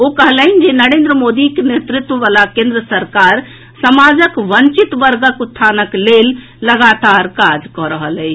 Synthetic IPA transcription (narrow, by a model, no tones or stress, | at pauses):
okəɦləɦind͡ʒenəɾẽnd̪ɾəmod̪ikenet̪ɾit̪wəʋalakẽnd̪ɾəsəɾkaɾ | səmad͡ʒəkʋənt͡ʃit̪ʋəɾɡəkut̪ʰːanəklelː | əɡat̪aɾkad͡ʒkɔɾəɦəlɛ